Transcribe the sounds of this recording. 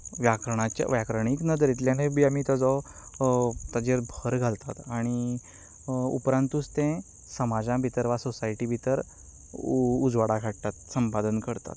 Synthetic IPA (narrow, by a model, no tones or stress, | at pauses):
ʋjakɾəɳat͡ɕa̰ʋjakɾəɳ̃iknəd̪əɾit̪ljanebʱiamiːt̪ɔd͡zɔ | t̪ad͡ʑeɾbʱəɾɡʱalt̪at̪aɽ̃i | ṵpɾãnt̪uːst̪ẽ | səmad͡zãbʱit̪əɾʋasosaiʈibʱit̪əɾ | ud͡zʋaɽakʰaɽt̪at̪səmpad̪ənkəɾt̪a̰t̪